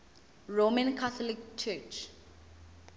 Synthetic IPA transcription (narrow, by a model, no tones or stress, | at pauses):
ɹomãnkʰaθɔlik̚t͡ʃʰɛt͡ʃ